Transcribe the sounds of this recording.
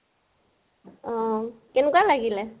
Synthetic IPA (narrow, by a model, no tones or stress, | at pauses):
ɔ̃kɛnɛkwalaɡilɛ